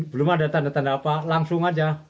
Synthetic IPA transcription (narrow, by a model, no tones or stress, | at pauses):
bəlʊmadat̪andat̪andapalaŋsʊŋad͡ʒa